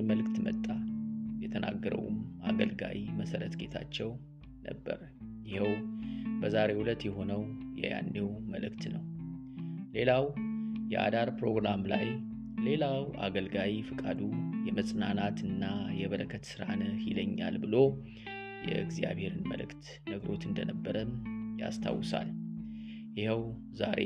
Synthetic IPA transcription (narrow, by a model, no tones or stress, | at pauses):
məlɨkt̪mət̪ʼːajɛt̪ʰənʔa̰ɡːəɾə̰wmaɡəlɡa̰jiməsəɾət̪ɡe̞t̪ʰa̰t͡ʃːɛw | nə̰bːəɾ | jɪhiwbəzaɾe̞hulət̪jɛɦo̞nəwjɛ̰ja̰nːewməlɨkt̪nəw | le̞lawjɛʔa̰d̪aɾpɾo̞ɡɾamla̰j | le̞lawʔa̰ɡəlɡawifɨkʼad̪ujɛməsʼnanat̪ɨnːajɛβəɾəkʰːət̪sɨɾanəhiləɲːa̰lbɨlo | jɛɡzija̰βhe̞ɾɨnmə̰lɨ̰kt̪ | nəɡəɾo̞t̪ɨnd̪ənəbːəɾəmja̰st̪ʰa̰wːsa̰l | jɪhɛw | zaɾe